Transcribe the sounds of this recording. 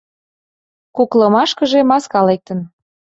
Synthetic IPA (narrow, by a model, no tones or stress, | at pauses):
kuklɤmɑʃkə̆ʒemɑskɑlek̚t̪ə̆n